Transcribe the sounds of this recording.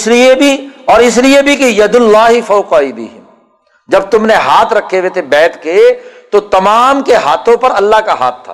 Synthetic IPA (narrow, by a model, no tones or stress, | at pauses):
ɪsliebʱiɔːɾɪs̬liebʱikejɐd̪ʊlːaːɦifɐʊqaːibɪ̰ɦɪm | d͡ʒɐb̚t̪ʊmneɦaːt̪ʰɾɐkʰːeʋeːt̪ʰebɛːt̪ʰket̪ot̪ɐmaːmkeɦaːt̪ʰõpɐɾɐlːaɦkaɦa̰ːt̪ʰːa̰ː